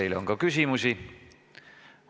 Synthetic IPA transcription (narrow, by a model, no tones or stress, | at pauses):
ilo̰ŋkokysimysi